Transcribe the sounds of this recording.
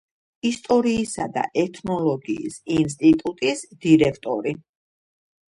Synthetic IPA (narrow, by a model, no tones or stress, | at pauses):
ist̪ʼɔɾiːsad̪a̰ʔɛt̪ʰnɔlˠɔɡḭːsins̬t̪ʼit̪ʼut̪ʼisd̪̥iɾɛkʰt̪ʼɔ̰ɾi